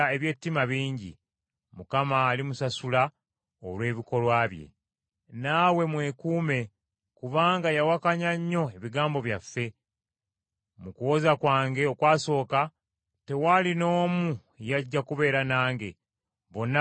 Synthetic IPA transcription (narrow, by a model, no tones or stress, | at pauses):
e̞βje̞tːimaβiːɲɟḭ | mukamaːlimusasula | o̞̰lwe̞ːβiko̞lwaːβje̞̰ | naːwe̞mwe̞kuːme̞ | kuβaːŋɡajawakaɲaɲːo̞e̞βiɡaːmbo̞βjafːe̞ | mukuwo̞zakwaːŋɡe̞o̞kwaːso̞ːka | te̞waːlino̞ːmu | jaɟːakuβe̞ːɾanaːŋɡe̞ | βo̞nːa